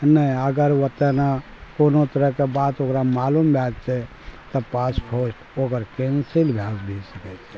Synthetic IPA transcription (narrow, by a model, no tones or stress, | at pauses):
nəĩəɡəɾʋət̪əna | koːnot̪əɾəɦkebaːt̪okɾamaːlumbʱjad͡ʒt͡ʃʰɛ | t̪ɔpaspʰosʈoːɡəɾkẽnsilbʱjasbʱisəkɛt͡ʃʰɛ